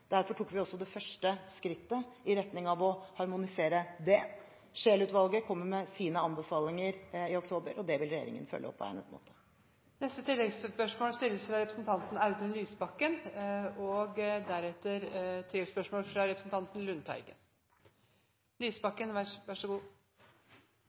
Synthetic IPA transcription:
d̪̥æɾfɔʈʰuːkːʋɪɔsːɔd̪ɛfœʂʈəskɾɪt̪ːəɪɾɛt̪nɪŋɑʋɔhɑɾmʊnɪseːɾəd̪ɛ | ʂeːlʉːt̪ʋɑlˠɡəkʰɔmːəɾmɛsiːnəɑnbəfɑːlɪŋəɾɪɔkt̪ʰoːbəɾɔd̪ɛʋɪlɾɛjḛːɾɪ̰ŋə̰nfœ̰lːə̰ɔpːʰɔ̰æ̰ɪnɛ̰t̪mo̰ːt̪ʰə̥ | nɛst̪ət̪ʰɪlːɛɡspœʂmoːlst̪ɪlːəsfɾɑɾɛpɾəsn̩t̪ʰɑnt̪n̩ɑʉt̪ʉnlyːsbɑkːənɔɡd̪æɾɛt̪ːəɾt̪ʰɪlːɛɡspœʂmoːlfɾɑɾɛpɾəsn̩t̪ɑnt̪nlʉnt̪ʰæ̰ɪɡə̰n | lyːsbɑkːənʋʋæʂəɡuː

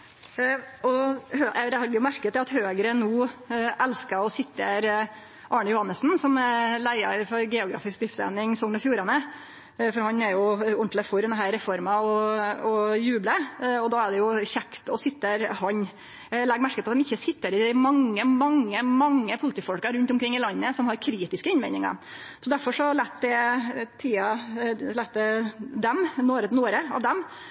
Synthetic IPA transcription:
ɔhøɛd̪ɛɑɡjʊmæɾkət̪ːɛɑt̪høːɡɾənuːʔɛlskəɔsɪt̪ːəɾ | ʔɑːɳəjʊhɑnːəsn̩sɔmlæɪɑ̰ɾfɔɾɡɛːʊɡɾɑ̰ːfɪskd̪ɪft̪æ̰nɪŋsɔŋnəfjuːɾɑnə | fɔɾhɑnɛɾjʊʊɳʈ̪ləfɔɾɛnəɦæːɾɾɛfɔɾmɑɔɔjʉːbləɔd̪ɑːæɖɛjʊçɛkt̪ɔsɪt̪ːəɾhɑɲ | lɛɡmæɾkətpʰɔɑt̪d̪ɛmɪçːəsɪt̪ːəɾɪmɑŋːəmɑŋːəmɑŋːəpʰʊlət̪iːfɔlkɑɾʉnt̪ʊmkʰɾɪŋːɪlɑnːəsɔmhɑɾkʰɾiːt̪ɪskəɪnmæɪnɪŋɑ̰sɔd̪æɾfɔʂɔhɑɾɭɛt̪ːd̪ɛt̪ʰiːɑlɛt̪̚d̪ɛd̪ɛmnoːɾənoːɾəɑ̰ʋd̪ɛm

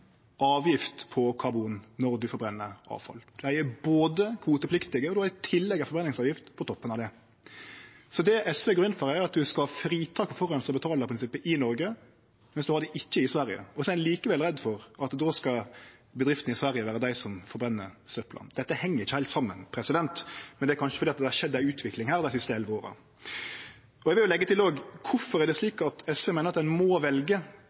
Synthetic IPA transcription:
ʔɑːʋjɪft̪pʰɔkʰɑbuːnːɔɾd̪ʉfɔɾbɾɛnːəɾɑ̰ːʋfɑ̰ld̪̥ʉæɪæboːd̪əkʰʋuːt̪əpʰlɪkt̪ɪɡəɔd̪ʉhɑɾɪt̪ʰɪlːɛɡːɑfɔɾbɾɛnɪŋsɑːʋjɪft̪pʰɔt̪ʰɔpːənɑʋd̪ɛ | sɔd̪ɛɛsʋɛɡɾʉnːfɔɾæɾɑt̪̚d̪ʉskɑhɑfɾiːt̪ʰɑːk̚pʰɔfɔɾɑnsəbət̪ʰɑːləɾpɔɾɪnsɪpːəʔɪnɔɾɡə | mɛnsd̪ʉhɑɾd̪ɛʔɪçːəɪsʋæɾɪjə̰ɔsɔɛliːkəʋɛlɾɛd̪ːfɔɾʔɑt̪d̪oːskɑbəd̪ɾɪft̪n̩ɪsʋæɾjəʋæːɾəd̪æɪsɔmfɔɾbɾɛnːə̰ɾst̪œpːlɑ̰nd̪ɛt̪ːəhɛŋːəɾɪçːəhæɪlt̪sɑmːə̰npʰɾɛsɪd̪ɛnt̪mɛnd̪ɛæɾkɑnʃə̥fɔɾiːɑt̪̚d̪ɛhɑʂɛd̪ːæʉːt̪ʰʋɪklɪŋhæːɾd̪æɪsɪst̪əɛlʋəoːɾə̰ | ɔɛɡʋɪljʊlɛɡːət̪ʰɪloːɡkʰʊfɔɾæɾd̪ɛsliːkɑt̪ʰɛsʋɛmeːnəɾɑt̪d̪ɛnmɔʋɛlɡə

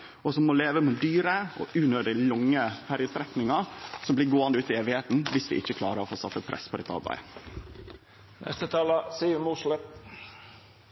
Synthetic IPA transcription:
ɔsɔmːɔleːʋəmɛd̪yːɾəɔ̰ʔʉːnøːd̪ɪlʊŋːəfʰæɾɪət̪ʰɾɛknɪŋɑsɔmbliːɾɡoːɑnd̪əʉːt̪ɪeːʋɪheːt̪n̩ʋɪsʋɪ̰ʔɪçːəkʰlɑːɾəɾɔfoːsɑt̪ːəpʰɾʔɛ̰spʰɔd̪ɛt̪ʰɑ̰lbæ̰ɪ | nʔɛ̰st̪ət̪ʰɑːləsiːmuːʂlə

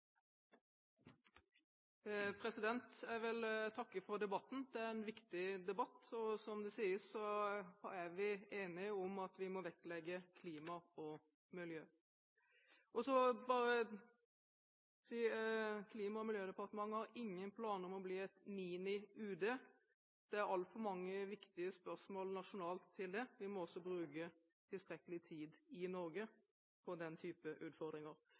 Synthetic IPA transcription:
pʰɾɛsɪd̪ɛnt̪æɾʋɛlt̪ʰɑkːəfɔɾd̪ɛbɑt̪ːn̩d̪̥ɛæɾɛnʋɪkt̪ɪd̪ɛbɑt̪ːɔsɔmd̪ɛsiːəssɔ | æɾʋɪeːnɪʊmɑt̪ʋɪmɔʋɛklɛɡəkʰliːmɑɔ | mɪljøː | ʔɔsɔbɑːɾə | siːkʰliːmɑɔmɪljøːd̪əɛpɑʁt̪əmɑŋːhɑɾɪŋːənpʰlɑːnɔmɔbliːɛt̪miːnɪʉːd̪eː | d̪̥ɛæɾɑlt̪fɔmɑŋːəʋɪkt̪ɪəspœʁsmoːlnɑʂʊnɑːlt̪ʰːɪld̪ɛʋɪmɔɔsːɔbɾʉːkə | t̪ʰɪlst̪ɾɛkəlɪt̪ʰiːd̪ɪnɔɾɡə | pʰɔd̪ɛnt̪ʰyːpəʔʉːt̪fɔʁd̪ɾɪŋəɾ

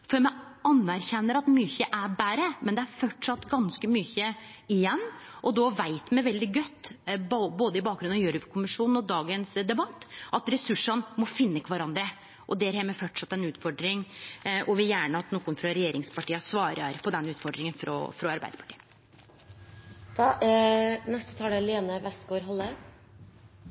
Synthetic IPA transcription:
fɔɾmɛɑnæɾçɛnːəɾɑt̪myːçəʔæɾbæːɾəmɛnd̪ɛæɾfɔʈʂɑt̪ːɡɑnskəmyːçə | ɪjɛnː | ʔɔd̪ɔʋæɪt̪mɛʋɛld̪ɪɡœt̪ːbboːd̪əɪbɑːk̚ɡɾʉnɑjøːɾʉʋkʰʊmɪʂuːnn̩ɔd̪ɑːɡənsd̪ɛbɑt̪ːʔɑt̪ɾɛsʉʂːɑnmɔfɪnːəkʰʋɑɾɑnd̪ɾə | ʔɔd̪ɛæɾhɛmɛfɔʈʂɑt̪ːɛnʉːt̪fɔɖɾɪŋʔɔʋɪljæːɳəɑt̪nɔːkːʊnfɾɑɾɛjeːɾɪŋspʰɑʈiːəsʋɑːɾɑɾpɔd̪ɛnːʉːt̪fɔɖɾɪŋənfɾɔ̰fɾɔɑɾbæ̰ɪd̪əpʰɑ̥ʈiː | d̪̥ɑ | nɛst̪ə̥t̪ʰɑːlɛleːnəʋɛsɡoːɾɦɑlːə

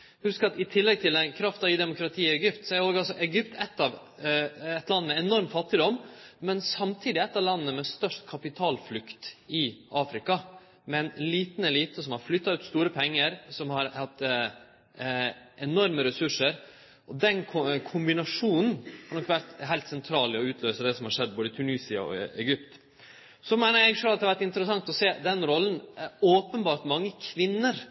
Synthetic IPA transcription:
hʉskəɾɑt̪ɪt̪ʰɪlːɛɡ̚t̪ʰɪlɛnkʰɾɑft̪ɑɪd̪ɛmʊkɾɑt̪ʰiːɪɛɡʏpt̪sɔɛɾoːɡɑlsɔʔɛɡʏpt̪ʰɛt̪ːɑʋ | ɛt̪lɑnːmɛɛnɔɾmt̪fɑt̪ːɪd̪ɔmːɛnsɑmt̪ʰiːd̪ɪɛt̪ːɑlɑnːəmɛst̪œʂʈkʰɑpɪt̪ʰɑːlflʉkt̪ɪʔɑːfɾɪkɑ | mɛnliːt̪n̩ɛliːt̪əsɔmhɑɾflʏt̪ːɑʉːt̪st̪uːɾəpʰɛŋːəɾsɔmhɑɾhɑt̪ː | ɛnɔɾməɾɛsʉʂəɾ | ʔɔd̪ɛnʰkʰʊmbɪnɑʂuːnn̩hɑɾɳɔkːʋæɾt̪ɦæɪlt̪sɛnt̪ʰɾɑːlɔʉːt̪ʰløːsəd̪ɛsɔmhɑɾʂɛd̪ːboːd̪ət̪ʰʉniːsɪɑ̰ɔ̰ɛ̰ɡʏp̚t̪ | sɔmæɪnəɾɛɡʂøːlɑt̪d̪hɑʋæɾʈɪnt̪əɾəsɑŋt̪ɔseːd̪ɛnɾɔlːn̩oːpənbɑːɾʈ̪mɑŋːəkʰʋɪnːəɾ

